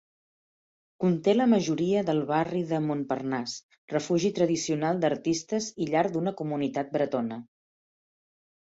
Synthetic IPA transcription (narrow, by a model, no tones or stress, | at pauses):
kunt̪eləməʒuɾiəðəlˠβariðəmompərnas | rəfuʒit̪ɾəðisiunalˠd̪əɾt̪ist̪əziʎaɾd̪unəkumunit̪at̪̚bɾət̪onə